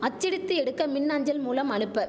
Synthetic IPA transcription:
ɐt͡ʃːɪɽɪt̪ːɯɛɽɯkːɐmɪnːaɲd͡ʒɐlmuːlɐmɐɳɯpːɐ

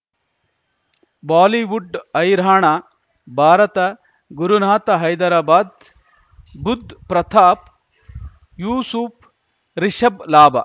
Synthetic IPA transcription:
baːliʋuɖɐjɾaːɳa | bʱaːɾɐt̪ɐ | ɡuɾunaːt̪ɐɦɐjd̪ɐɾaːbaːd̪ | bud̪ʱpɾɐt̪ʰaːp̚ | juːsup | ɾiʃɐblaːbɐ

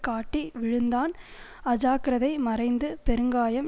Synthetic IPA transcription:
kaːʈːiʋɪɻɯnd̪aːn | ɐd͡ʒaːkɪɾɐðɐɪmɐɾɐɪnd̪ɯpɛɾɯŋɡaːjɐm

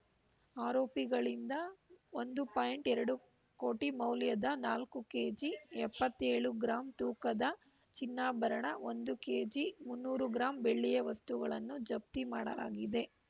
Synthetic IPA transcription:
aːɾoːpiɡɐɭind̪ɐond̪upaːjɳʈɛɾɐɽu | koːʈimɐwljɐd̪ɐnaːlkuke̞ːd͡ʒiɛpːɐt̪ːeːɭuɡɾaːmt̪uːkɐd̪ɐ | t͡ʃinːaːbɐɾɐɳɐo̞nd̪ukeːd͡ʒimunːuːɾuɡɾaːmbeɭːijɐʋɐst̪uɡɐɭɐnːud͡ʒɐb̚t̪imaːɽɐ̰la̰ːɡid̪e̞

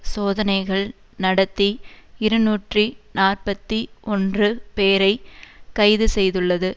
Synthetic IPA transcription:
soːðɐnɐɪɣɐɭ | nɐɽɐt̪ːiɪɾɯnuːʈrinaːrpɐt̪ːiɔndrɯpeːɾɐɪkɐɪðɯsɛjðɯɭːɐðɯ

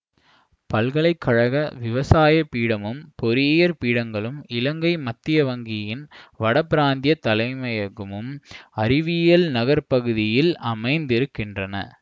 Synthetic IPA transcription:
pɐlɣɐɭɐɪkʰːɐɻɐɣɐʋɪʋɐsaːjɐpiːɽɐmɯmpɔɾɪejɐɾpiːɽɐŋɡɐɭɯmɪlɐŋɡɐɪmɐt̪ːɪjɐʋɐŋɡɪjɪnʋɐɽɐpɪɾaːnd̪jɐt̪ːɐlɐɪmɐjɐɣɯmɯmɐɾɪʋɪjɐlnɐɣɐɾpɐɣɯðɪjɪlɐmɐɪnd̪ɪɾɯkːɪndrɐnɐ̰

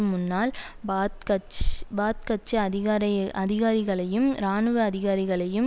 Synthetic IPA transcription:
mʊnːaːl | b̪kɐt͡ʃbaːt̪̚kɐt͡ʃːɐɐðɪɣaːɾɐʔɐðɪɣaːɾɪɣɐɭɐjɯmɾaːnɯʋɯɐðɪɣaːɾɪɣɐɭɐjɯm

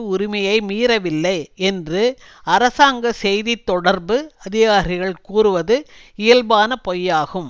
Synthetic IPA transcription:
ʊɾɪmɐjɐɪmiːɾɐʋɪlːɐɪɛndrɯ | ɐɾɐsaːŋɡɐsɛjðit̪ːɔɽɐɾbɯɐðɪɣaːɾɪɣɐɭkuːɾɯʋɐðɯ | ɪjɐlbaːnɐpɔjːaːɣɯm

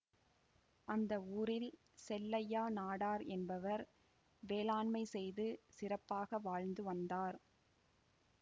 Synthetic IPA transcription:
ʔɐnd̪ɐuːɾɪl | sɛlːɐjaːnaːɽaːɾɛnbɐʋɐɾ | ʋeːlaːɳmɐɪsɛjðɯsɪrɐpːaːɣɐʋaːɻnd̪ɯʋɐnd̪aːɾ

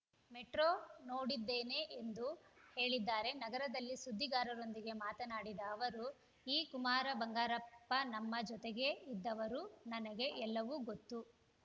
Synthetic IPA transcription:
meʈɾoːno̞ːɽid̪ːeːne̞ʔend̪uhe̞ːɭid̪ːaːɾe̞nɐɡɐɾɐd̪ɐlːisud̪ʱːiɡaːɾɐɾo̞nd̪iɡe̞maːt̪ɐnaːɽid̪ɐːʋɐɾu | iːkumaːɾɐbɐŋɡaːɾɐppːɐnɐmːɐd͡ʒɔt̪eɡe̞id̪ːɐʋɐɾunɐnɐɡe̞ʔɛlːɐʋuɡot̪ːu

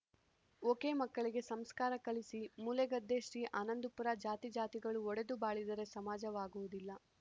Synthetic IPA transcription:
oːke̞ːmɐkːɐɭiɡe̞sɐmskaːɾɐkɐɭisimuleɡɐd̪ːe̞ːʃɾiːʔaːnɐnd̪upuɾad͡ʒaːt̪id͡ʒaːt̪iɡɐɭuɔɽe̞d̪ubaːɭid̪ɐɾe̞sɐmaːd͡ʒɐʋaːɡuʋud̪ilːɐ

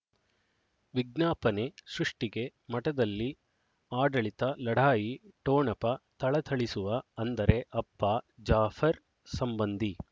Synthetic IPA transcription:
ʋiɡ̚naːpɐne̞sɾuʂʈiɡe̞mɐʈɐd̪ɐlːi | aːɖɐɭit̪ɐlɐɽ̤ʱaːjiʈoːɳɐpɐt̪ɐɭɐt̪ʰɐɭisuʋɐɐnd̪ɐɾe̞ʔɐpːɐd͡ʒaːfʰɐɾ | sɐmbɐnd̪i

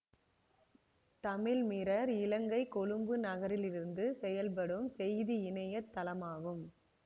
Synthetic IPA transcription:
t̪ɐmɪlmɪɾɐɾɪlɐŋɡɐɪkːɔɻɯmbɯnɐɣɐɾɪlɪɾɯnd̪ɯsɛjɐlp̬ɐɽɯmsɛjðiɪnɐjɐt̪ːɐlɐmaːɣɯm

